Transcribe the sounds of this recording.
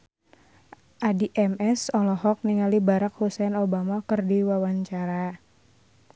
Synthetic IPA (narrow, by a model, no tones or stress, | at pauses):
ʔadiʔɛmɛsɔlɔɦɔk̚niŋalibaɾakhusɛnobamakɨrdiwawaɲt͡ʃaɾa